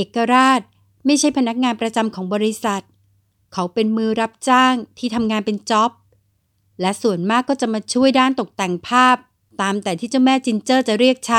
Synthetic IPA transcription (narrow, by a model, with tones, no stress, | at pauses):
ʔeː˨˩kːa˧ɾaː˥˩t̪̚ | ma˥˩jt͡ɕʰa˥˩jpʰa˧na˦˥k̚ŋaː˧npɾa˧t͡ɕa˧mkʰɔː˩˦ŋbɔː˧ɾi˦˥sa˨˩t̪̚ | kʰa˦˥wpe˧nmɯː˧ɾa˦˥p̚t͡ɕaː˥˩ŋt̪ʰiː˥˩t̪ʰa˧mŋaː˧npe˧nt͡ɕɔ˦˥p̚ | lɛ˦˥su˨˩ənmaː˥˩kːɔː˥˩t͡ɕa˨˩maː˧t͡ɕʰu˥˩əjdaː˥˩nt̪o˨˩k̚t̪ɛ˨˩ŋpʰaː˥˩p̚ | t̪aː˧mt̪ɛː˨˩t̪ʰiː˥˩t͡ɕa˥˩wmɛː˥˩t͡ɕi˧nt͡ɕɤː˥˩t͡ɕa˨˩ɾi˥˩ək̚t͡ɕʰa˦˥